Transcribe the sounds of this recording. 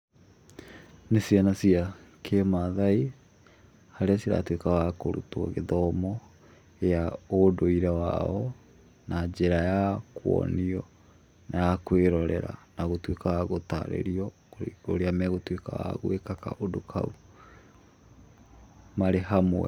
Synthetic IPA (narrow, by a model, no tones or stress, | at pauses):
nesianasiakʰemaðai | haɾeasiɾa̰twekaɣakoɾṵtwɔ̰ɣeðɔmɔ | eaodoiɾawa̰ɔ | nad͡ʑeɾajakwɔ̰niɔ | nʔajakweɾɔɾɛɾa̰naɣotwekaɣaɣota̰ɾḛɾiɔ | oo̰ɾeamɛɣotweka̰ɣa̰ɣoekaka̰ʔodokʰa̰u | maɾehamwɛ̰